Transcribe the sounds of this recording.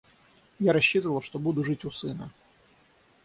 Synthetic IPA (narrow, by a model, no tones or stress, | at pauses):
jaɾɐɕːit̪əvəlˠʂt̪obud̪ʊʐɨtʲʊsɨnə